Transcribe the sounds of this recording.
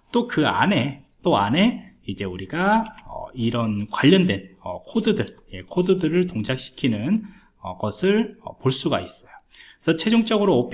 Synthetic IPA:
t͈okɯa̰ne̞t͈oane̞id͡ʑe̞uɾiɡaʌ̰iɾʌnkwaʎːʌndwe̞nʌ̰kʰodɯdɯɭje̞kʰodɯdɯɾɯɭtoŋd͡ʑʰak̚ɕ͈ʰi̥kʰinɯn | ʌ̰ɡʌsʰɯɭʌ̰poɭs͈uɡa̰is͈ʌjo̥ | sʰʌt͡ɕʰe̞d͡ʑoŋt͡ɕ͈ʌɡɯɾoːpʰ

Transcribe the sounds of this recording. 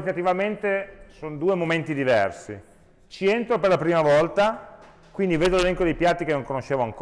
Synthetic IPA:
it̪at̪ivament̪esond̪uːemoment̪id̪ivɛ̰rsḭ | t͡ʃient̪ɾoperlapɾiːmavɔlt̪a | kwind̪iveːd̪olelɛŋkod̪ejpjat̪ːikenoŋkonoʃːeːvoaŋk

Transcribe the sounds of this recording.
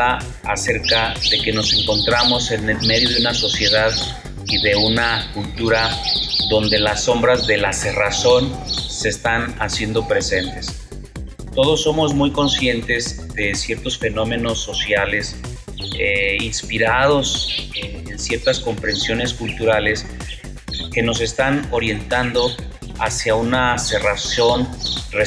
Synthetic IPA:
a | a̰se̞ɾkaðe̞ke̞no̞se̞ŋko̞nt̪ɾamo̞se̞ne̞lme̞ðjo̞ðeunaso̞sje̞ðað | iðe̞unakult̪uɾaðo̞nd̪e̞lasːo̞mbɾazðe̞lase̞raso̞nse̞st̪anasje̞nd̪o̞pɾe̞se̞nt̪e̞s | t̪o̞ð̞o̞sːo̞mo̞zmujko̞nsje̞nt̪e̞z | ðe̞sje̞ɾt̪o̞sfe̞no̞mẽ̞no̞sːo̞sjale̞s | einspiɾaðo̞se | ensje̞ɾt̪asko̞mpɾe̞nsjo̞ne̞skult̪uɾale̞s | ke̞no̞s̬e̞st̪ano̞ɾje̞nt̪and̪o̞ | asjaunase̞raso̞nre

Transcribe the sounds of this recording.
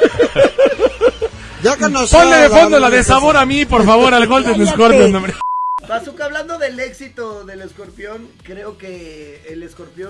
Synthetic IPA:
d͡ʒokonosponleðefo̞nd̪o̞laðe̞saβo̞ɾamipo̞ɾfaβo̞ɾalɣo̞ld̪enesko̞ɾpjonõmɾepasukaβland̪o̞ðe̞le̞ksit̪oðe̞lesko̞ɾpjo̞ŋkɾe̞okeːlesko̞ɾpjo

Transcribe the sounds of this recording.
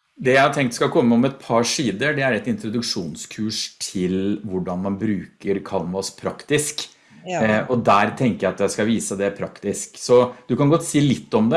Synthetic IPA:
d̪ɛjæɪhɑɾt̪ʰɛŋkt̪skɑlkʰɔmːəɔmɛt̪̚pʰɑʂiːd̪əɖɛæɾɛt̪ɪnt̪ɾʊd̪ʉkʂuːnskʰʉːʂt̪ʰɪlʋʊɖɑnmɑnbɾʉːkəɾkʰɑlmɑspʰɾɑkt̪ɪsk | ʔɔd̪æɾt̪ʰɛŋkəjæɪɑt̪jæɪskɑʋiːsəd̪ɛpʰɾɑ̰kt̪ɪsksɔd̪ʉkɑnɡɔt̪ːsiːlɪt̪ːɔmd̪ɛ

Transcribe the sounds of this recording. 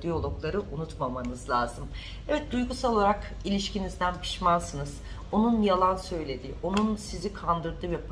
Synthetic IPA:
d̪ijo̞lˠo̞klˠaɾɯʔunut̪mamanɯzlʲˠaːzɯm | ɛvɛt̪̚d̪ujɡusalˠolˠaɾak | ilʲiʃcinizd̪ænpʰi̥ʃmansɯnɯz̥ | o̞nunjalˠansø̞jlʲe̞d̪io̞nunsizikʰand̪ɯɾd̪ɯja

